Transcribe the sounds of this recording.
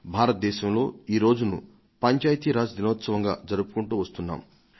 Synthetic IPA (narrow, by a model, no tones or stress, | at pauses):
bʱaːɾɐt̪̚d̪ɛːʃɐmlo̞ːiːɾo̞ːd͡ʒunṵ | pɐɲt͡ʃaːjt̪iːɾaːd͡ʒd̪inoːt̪sɐʋɐŋɡa̰ːd͡ʒɐɾupu̥kuɳʈuːʋɐst̪unːa̰ːm